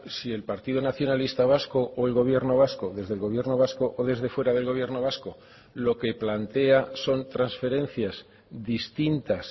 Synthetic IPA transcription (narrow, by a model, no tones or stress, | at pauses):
sie̞lpaɾt̪iðonaθjo̞nalist̪aβ̞asko̞ʔoelɣo̞β̞je̞ɾno̞β̞asko̞ðe̞zðelɣo̞βje̞rno̞β̞asko̞ʔoðe̞zðe̞fwe̞ɾaðe̞lɣo̞β̞je̞ɾrno̞β̞asko̞ | lo̞ke̞plant̪e̞aso̞nt̪ɾansfe̞ɾẽ̞n̟θjaz | d̪ist̪int̪as